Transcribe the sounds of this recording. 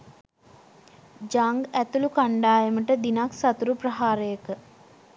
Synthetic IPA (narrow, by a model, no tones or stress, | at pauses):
d͡ʒaŋɡæt̪ulukaɳɖaːjəməʈəd̪inaksat̪uɾuprəɦaːɾəjəkə